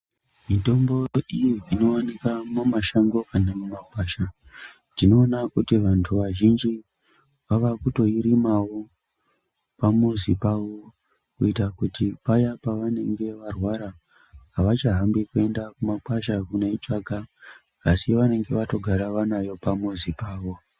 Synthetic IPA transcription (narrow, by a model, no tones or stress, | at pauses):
mito̞mbo̞ijiino̞wanikamumaʃaŋɡo̞kanemumakwaʃa | dino̞ːnakutiʋantʰuʋaʒind͡ʒi | ʋaʋakuto̞iɾimawo̞ | pamuzipaʋo | kuitakutipajapaʋane̞ŋɡe̞ʋarwaɾaː | ʋat͡ʃaɦambikue̞ndakumakwaʃakuneit͡ʃakaː | siʋane̞ŋɡe̞ʋato̞ɡʱaɾaʋanajo̞pamuzipaːʋo̞